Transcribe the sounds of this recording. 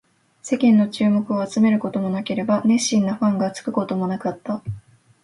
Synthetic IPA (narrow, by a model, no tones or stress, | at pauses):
se̞kʲẽ̞nːo̞t͡ɕɨːmo̞kɯ̟o̞at͡sɨme̞ɾɯ̟ko̞t̪o̞mo̞nake̞ɾe̞banẽ̞ɕĩnːaɸãŋɡat͡sɨ̥kɯ̟ko̞t̪o̞mo̞nakat̪ːa